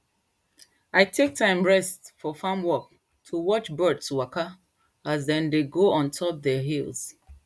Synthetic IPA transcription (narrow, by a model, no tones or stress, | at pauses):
aɪtʰek̚tʰãɪ̃mɹɛstfɔfãmwɔk̚ | tʰuwɔt͡ʃbɜdswaka | azðɛ̃ndeɡoɔ̃ntʰɔp̚ðɛɦilˠz̥